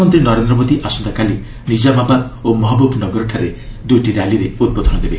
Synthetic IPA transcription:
mɔnt̪ɾinɔɾend̪ɾɔmod̪iʔasɔnd̪akali | nid͡ʒamababomɔɦɔbɔbnɔɡɔɾɔʈʰaɾed̪ujʈiɾaliɾeut̪̚bɔd̪ʱɔnɔd̪ebe

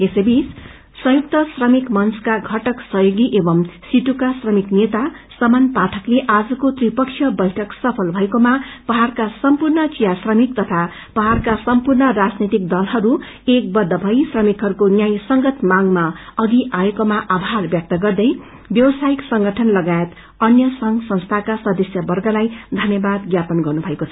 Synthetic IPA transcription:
esebis | sʌ̃juk̚t̪ʌsrʌmikmʌnskaɡʱʌʈʌksʌjoɡiʔebʌmsiʈukasrʌmiknet̪a | sʌmanpaʈʰʌkleʔad͡zʌkot̪ripʌkt͡ʃʰjʌbʌjʈʰʌksʌpʰʌlbʱʌekomapʌɦarkasʌmpurnʌt͡sijasrʌmik̚t̪ʌt̪ʰa | pʌɦarkasʌmpurnʌrad͡znit̪ik̚d̪ʌlɦʌɾu | ek̚bʌd̪ʱːʌbʱʌjsrʌmikɦʌɾukonjajsʌŋɡʌt̪maŋmaʌɡiʔaekomaʔabʱarbjʌk̚t̪ʌɡʌrd̪ʌj | bjʌwʌsajiksʌŋɡʌʈʰʌnlʌɡaet̪ | ʌnjʌsʌŋsʌ̃nst̪ʰakasʌd̪ʌsjʌbʌrɡʌlajd̪ʱʌnjʌbad̪ɡjapʌnɡʌrnubʱʌekot͡sʰʌ

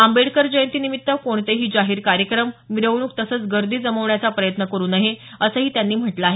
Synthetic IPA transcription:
ambeɽkəɾd͡ʑəjənt̪iːnimit̪ːəkoɳt̪eɦiːd͡ʑaɦiːɾkaɾjəkɾəmʋiɾəʋɳ̃uːk̚t̪əsəːt͡sɡəɾd̪ʱiːd͡zəməʋɳjat͡sapɾəjət̪nəkəɾuːnaɦeəsəːɦiːt̪janːiːm̤əʈlaːɦe

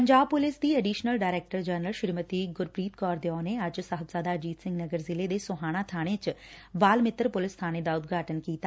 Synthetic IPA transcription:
pəɲd͡ʒaːb̚pʊlɪsd̪iːɛɖiːʃnəlɖaːɾɛːk̚ʈəɾd͡ʒɛːnɾəlʃɪɾmət̪iːɡʊɾpɾiːt̪kɔːɾd̪eɔ̃ːneəd͡ʒsəɦət̪saːd̪aːd͡ʒiːt̪sɪ̃ŋɡnəɡəɾzɪleːd̪eːsʊɦaːɽ̃aːt̪ʰaːɽ̃ẽt͡ʃʋaːlmɪt̪ɾpʊlɪst̪ʰaːɽ̃eːd̪aːʊt̪̚ɡaːʈənkiːt̪a

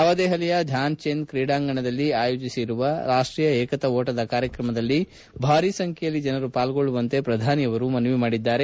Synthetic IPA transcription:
ɐʋɐd̪ɛːɦɐlɛjɐd̪ʱjaːnt͡ʃeːnd̪̚kɾiːɽaːŋɡɐɳɐd̪ɐlːiaːjoːd͡ʒisiɾuʋɐɾaːʂʈɾiːjɐɛːkɐt̪ɐoːʈɐd̪ɐkaːɾjɐkɾɐmɐd̪ɐlːi | bʱaːɾisɐŋkʰɛjɐlːid͡ʒɐnɐɾupaːlɡo̞ɭːuʋɐnt̪e̞pɾɐd̪ʱaːnijɐʋɐɾumɐnʋimaːɽid̪ːaːɾe̞

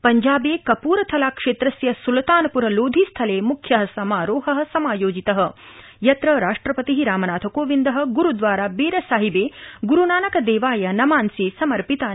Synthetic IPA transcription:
pɐɲd͡ʒaːbeːkɐpuːɾɐt̪ʰɐlaːkʂeːt̪ɾɐsjɐsulɐt̪aːnɐpuɾɐloːd̪ʱist̪ʰɐleːmukʰjɐɦɐsɐmaːɾoːɦɐɦɐ̆sɐmaːjoːd͡ʒit̪ɐɦɐ̆ | jɐt̪ɾɐɾaːʂʈɾɐpɐt̪iɦiɾaːmɐnaːt̪ʰɐkoːʋind̪ɐɦɐ̆ɡuɾud̪ʋaːɾaːbeːɾɐsaːɦibeːɡuɾunaːnɐkɐd̪eːʋaːjɐnɐmaːnsisɐmɐɾpit̪aː

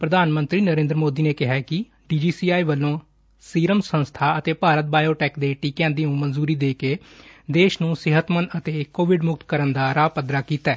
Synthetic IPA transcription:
pɾəd̪aːnmə̃nt̪ɾiːnəɾẽːnd̪ɾmoːd̪iːneːkɪɦɛːkɪ | ɖiːd͡ʒiːsiːaːiːʋəlːõː | siːɾəmsə̃nst̪ʰaːət̪eːpaːɾət̪̚baːjoːʈɛːkd̪eːʈiːkɛ̃ːnd̪iːũːmənzuːɾiːd̪eːkeːd̪eːʃnũːsɪɦət̪mənət̪eːkoːʋɪɖmʊk̚t̪kəɾənd̪aːɾaːpəd̪ɾaːkiːt̪ɛː

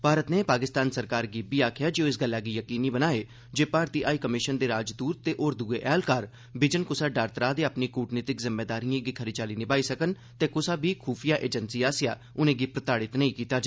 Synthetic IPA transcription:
bʱaːɾət̪neːpaːkɪst̪aːnsəɾkaːɾɡiːbiːaːkʰɪjaːd͡ʒeoːɪsɡəlːaːɡiːjəkiːniːbənaːeː | d͡ʒeːpaːɾt̪iːʔaːikəmɪʃənd̪eːɾaːd͡ʒd̪uːɾt̪eːʔoːɾd̪uːeːʔɛːlkaːɾ | bɪd͡ʒənkʊsaːɖaːɾt̪ɾaːd̪eːapniːkuːʈnɪːt̪ɪkzɪmːeːd̪aːɾiːãːɡiːkʰəɾiːt͡ʃaːliːnɪbaːiːsəkən | t̪eːkʊsaːbiːkʰuːpʰijaːʔeːd͡ʒənsiːaːsɪja̰ː | ʊnẽːɡiːpɾət̪aːɽɪt̪nəĩkiːt̪aːd͡ʒ

